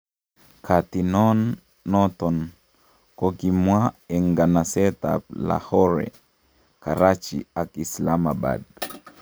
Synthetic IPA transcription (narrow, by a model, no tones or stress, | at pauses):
kʰat̪inɔnː | ɔt̪ɔn | kokimwaɛŋɡanasɛt̪a̰la̰hɔɾɛ̰ | kaɾat͡ʃḭakislamaba̰d